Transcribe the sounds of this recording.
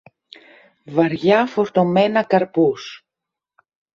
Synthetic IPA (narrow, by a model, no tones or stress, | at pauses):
vɐɾʝɐfo̞ɾt̪o̞menɐkɐɾpus